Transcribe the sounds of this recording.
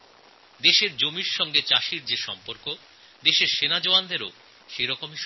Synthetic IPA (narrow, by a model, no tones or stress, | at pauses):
d̪eʃeɾd͡ʑomiɾʃɔŋɡet͡ɕaʃiɾd͡ʑeʃɔmpoɾko | d̪eʃeɾʃenad͡ʑoand̪eɾo̰ | ʃejɾɔkomiʃ